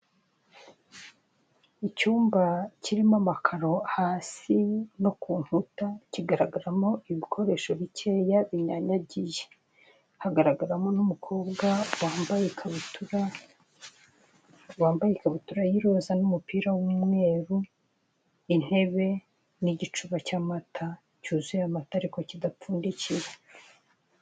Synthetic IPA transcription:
icuːmbaciɾimamakʰaɾo̞haːsino̞kuːnhutaciɡaɾaɡaɾamo̞iβikʰo̞ɾe̞ːʃo̞βice̞ːjaβiɲaɲaɟije | haɡaɾaɡaɾamo̞numukʰo̞ːbɡawaːmbajekʰaβutuɾa | waːmbajekaβutuɾajiɾozanumupiːɾawumŋe̞ːɾu | in̥he̞βe̞ | niɟit͡ʃuβacaːmatʰa | cuːzijamataɾikocidap͡fuːndicije

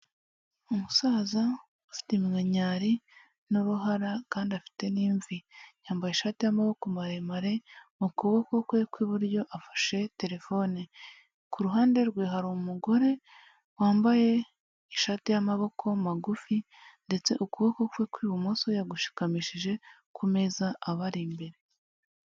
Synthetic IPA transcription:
umusaːza | ufi̥temŋaɲaːɾi | nuɾuɦaɾakaːndiafi̥te̞niːɱvijaːmbajeʃatijamaβo̞ko̞maɾemaɾe̞ukuβoko̞kwe̞kwiβuɾɟo̞ʔafḁʃe̞te̞ɾe̞fo̞ni | kuɾuɦaːnde̞ɾɡwiːɦaɾomuɡo̞ɾe̞ | waːmbaje̞ | iʃaːtijamaβo̞kʰo̞maɡufi | nde̞t͡se̞ʔukuβokokwe̞kwiːβumusojaɡuʃi̥kamiːʃiʒe̞ | kʰume̞zaʔːβaɾimbe̞ɾe̞

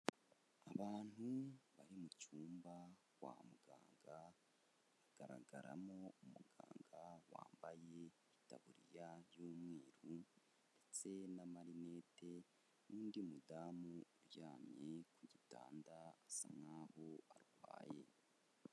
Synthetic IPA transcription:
aβaːn̥huβaɾimucuːmba | ɡwa̰muɡaːŋɡa | βaɡ̥aɾa̰ɡaɾa̰mo̞umuɡa̰ːŋɡawa̰ːmbaje̞ | itaβuɾijaβjuːmŋeːɾu | nd̥e̞t͡se̞namaɾine̞ːte̞ | nuːndimudamuuɾjaːmɲekuɟita̰ːndaːsamŋaːho̞aɾuɡwa̰ːje̞̰

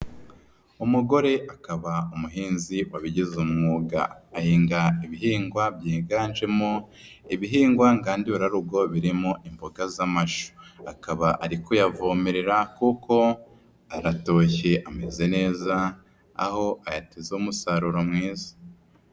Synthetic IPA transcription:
umuɡo̞ɾe̞ʔakaβaumuɦiːnziwaβiɟizumŋuːɡa̰ːhiːŋɡaiβiɦiːŋɡwabjeːɡaːnʒe̞mo | iβiɦiːŋɡwaŋɡaːndiuɾaɾuɡo̞βiɾimoʔimboɡazamaʃo̥akaβaʔaɾikujavomeɾeɾakukʰo̞ | aɾato̞ːçeʔame̞ze̞ne̞ːza̰ː | ho̞ajatezoumusaɾuɾomŋiːzḁ

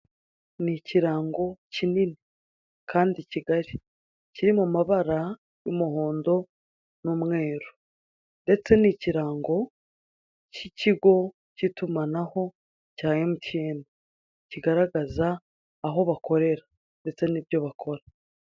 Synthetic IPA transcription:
niciɾaːŋɡo̞cinini | kʰaːndiciɡaɾi | ciɾimumaβaɾa | jumuho̞ːndo̞ | numŋe̞ːɾu | nde̞t͡se̞niciɾaːŋɡo̞ | ciciɡo̞ | citumanaho̞ | caːɲe̞muceːni | ciɡaɾaɡazaː | ɦo̞βako̞ɾe̞ɾa | nde̞t͡se̞nibjo̞βakʰo̞ɾa

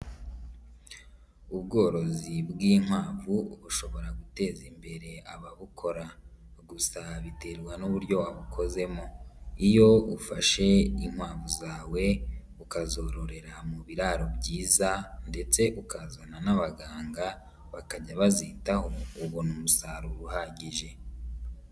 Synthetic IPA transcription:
uβɡo̞ːɾo̞zibɡiːŋ̥waːvuβuʃo̞βo̞ɾaɡute̞ːzimbe̞ɾe̞aβaβukʰo̞ɾaɡusaβite̞ɾɡwanuβuɾɟo̞aβukʰo̞ze̞mo̞ijo̞ufaʃe̞iŋ̥waːvuzaːwe̞ | ukazo̞ɾo̞ɾe̞ɾamuβiɾaɾo̞bɟiːzande̞t͡se̞ʔukazananaβaɡaːŋɡa | βakaɟaβazitaho̞uβonumusaɾuɾuhaɟiʒe̞

